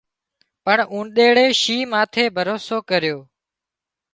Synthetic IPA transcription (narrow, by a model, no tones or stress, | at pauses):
pəɳũːnɗeːɽeːʃiːmãːt̪ʰeːbʱəɾoːsoːkəɾɪjoː